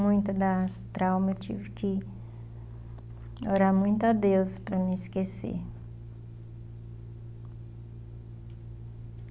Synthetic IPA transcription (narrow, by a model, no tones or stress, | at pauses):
mũj̃t̪ʊd̪ast̪ɾawmewt͡ʃḭvɪkʰɪ | oɾaɾmũj̃t̪ʊad̪ewspɾɐmɪɪskesḛɾ